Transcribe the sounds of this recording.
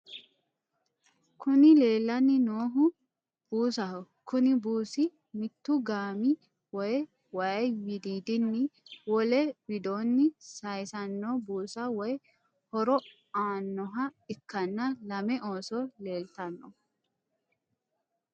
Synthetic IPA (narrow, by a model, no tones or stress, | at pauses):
kʰʊnɪle̞ːlːɐnːɪnoːɦʊ | b̥uːsɐhʊ | kʊnɪbuːsɪ | mɪt̪ːʊɡaːmɪ | wɔj | wɐwɪd̪iːd̪ɪnːɪwɔlɛbɪd̪oːnːɪsɐjsɐnːobuːsɐwɔj | hɔɾɔ | aːnːɔɦɐɪkːɐnːɐlɐmɛʔoːsɔle̞ːlt̪ɐnːɔ